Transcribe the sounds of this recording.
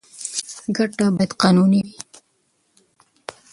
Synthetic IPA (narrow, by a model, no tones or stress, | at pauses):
ɡaʈabajad̪qɑnuniwi